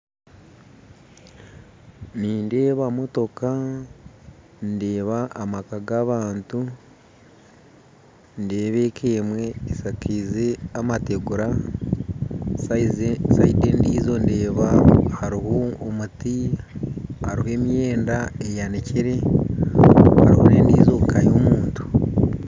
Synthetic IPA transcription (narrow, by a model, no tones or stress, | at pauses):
niːnde̞ːβamo̞to̞ka | nde̞ːβaʔːmakaɡaːβaːntu | nde̞ːβe̞ːkʰeːmwe̞ːsakiːze̞amate̞ɡuɾa | saidendiːzo̞nde̞ːβahaɾihoːmuti | haɾihwe̞ːmjeːndaejaneceɾe̞ | ha̰ɾihone̞ːndḭːzokajomuːntu̥